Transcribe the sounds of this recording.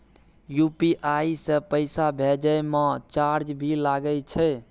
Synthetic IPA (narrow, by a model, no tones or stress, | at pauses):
jupiʔaisẽpəɪsabʱed͡ʒəjmẽt͡ʃaɾd͡ʒbʱilaɡəlt͡ʃʰɛ